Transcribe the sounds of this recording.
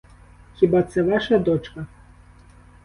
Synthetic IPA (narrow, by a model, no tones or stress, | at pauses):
xʲibat̪sɛvaʂɐd̪ɔt͡ʂkɐ